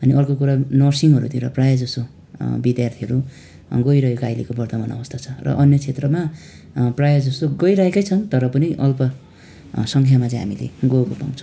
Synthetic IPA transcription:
ʌniʌrkokuɾanʌrsiŋʌɾut̪ʰiɾʌ̰prajʌd͡zʌst̪o | bid̪jart̪ʰiɦʌɾu | ɡʌjɾʌɦekoajlekobʌrt̪ʌmanʌ̰bʌst̪ʰat͡sʰʌrʌ̰ʔʌnjʌt͡sʰet̪rʌma | prajʌd͡zʌst̪oɡʌjɾʌɦekʌjt͡sʰʌnt̪ʌɾʌpʌniʔʌlpʌ | sʌŋkʰjamat͡sʌ̃j̃ɦa̰milḛɡoukopa̰ŋt͡sʰʌ̥

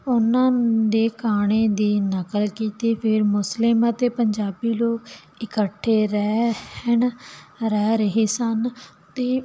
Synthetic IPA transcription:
ʊnãːd̪eːkaːɽ̃eːd̪iːnəkəlkiːt̪eːpʰɪɾmʊslɪmət̪eːpəɲd͡ʒaːbiːloː | ɪkəʈʰːeːɾɛːhənɾɛːɾəɦeːsən | t̪eː

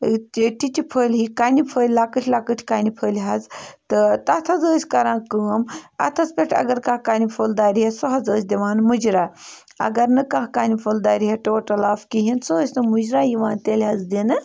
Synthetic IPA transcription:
ʈitipʰəːlʲɦikaːnipʰəːlʲlakɨʈʰʲlakəʈʲʰkaːnipʰəːlʲɦɐd͡zt̪ɨt̪ɐt̪ʰɐzəːsʲkɐɾãːkəːmɐ̰t̪ʰɐt͡spʲeʈʰʲɐ̰ɡɐɾkakaːnipʰold̪aːɾʲɦesoɦɐzəːsʲd̪ʲiʋaːnmud͡ʒɾaː | ɐ̰ɡɐɾnɨkaɦkaːnipʰold̪aːɾʲiɦeʈoːʈɐlaːfkiɦinsoːsʲnɨmud͡ʒɾaːjiʋaːnt̪elʲɦɐd͡zd̪inɨ

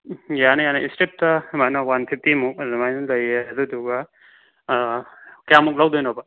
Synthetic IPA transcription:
janajanaistip̚tɐmanawanpʰip̚ʰtimuk̚ɾimajnlɐjeɐduduɡa | kjamuk̚lawdojnɔbɐ

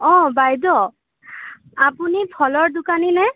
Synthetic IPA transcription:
ɔ̃bajdɔ | apunipʰɔlɔɹdʊkaninɛ

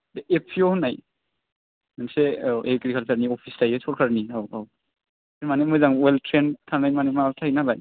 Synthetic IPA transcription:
deepʰiohɔnːaj | manseʔekɾikʰalpʰaɾniɔpʰistajesɔlkʰaɾniawaw | eɾmanemɔjzaŋweltʰɾentʰanajmanematʰajnalaj

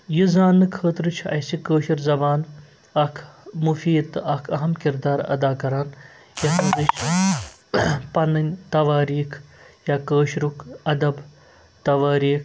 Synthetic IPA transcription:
jizaːnːɨkʰəːt̪ɾɨt͡ʃʰɐ̰jsikəːʃiɾzɐbaːn | ɐkʰmufiːd̪t̪ɐkʰɐɦɐmkiɾd̪aːɾɐ̰d̪aːkɐɾaːn | jɐtɐːd̪ɨt͡ʃʰ | pɐnɐnʲt̪ɐʋaːɾiːkʰjaːkəːʃɾukʰɐd̪ɐb | t̪ɐʋaːɾiːkʰ

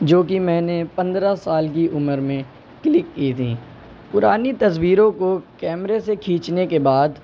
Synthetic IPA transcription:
d͡ʒoːkimɛ̃ːnepɐ̃nd̪ɾasaːlk̬iʔʊməɾmẽ | klɪkːiːt̪ʰḭ̃ː | pʊɾaːnit̪ɐswiːɾõkokɛːmɾesekʰiːt͡ʃnekebaːd̪

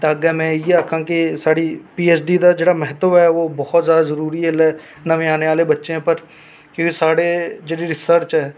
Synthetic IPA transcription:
t̪ːɡɛmẽːjeəkʰãːkisaːɽiːpiːeːsɖiːd̪ad͡ʒeːɽaːmɛɦət̪əʋɛːʋoːbɔːɔt̪zjaːd̪azəɾuːɾielɛː | nəʋẽaːneaːlebətːʃẽpəɾ | kʊkisaːɽed͡ʒeːɽiɾɪsəɾt͡ʃɦɛː

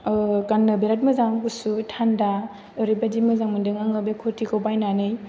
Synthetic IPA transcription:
kanːɯbeɾat̚mɯzaŋbusutʰanda | ɔɾibadimɯzaŋmɯndɯŋaŋɯbekʰotʰikʰowbajnanɯj

